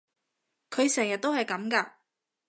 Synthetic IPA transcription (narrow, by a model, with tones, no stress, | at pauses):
kʰɵ˨˧ɥsɛː˨˩ŋjɐ˨t̪̚o˥hɐ˨jkɐ˨˥mkaː˧